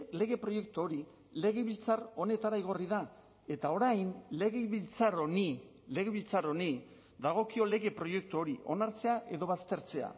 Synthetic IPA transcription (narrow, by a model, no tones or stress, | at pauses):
le̞ɣe̞pɾo̞je̞k̚t̪uo̞ɾi | le̞ɣ̞eβilt͡saro̞ne̞t̪aɾaiɣ̞o̞riða | e̞t̪ao̞ɾajnle̞ɣeβilt͡saɾoni | le̞ɣeβilt͡saɾo̞ni | d̪aɣ̞o̞kio̞le̞ɣe̞pɾo̞je̞k̚t̪uo̞ɾiʔo̞naɾt͡se̞aʔe̞ðo̞βast̪e̞ɾt͡se̞a̰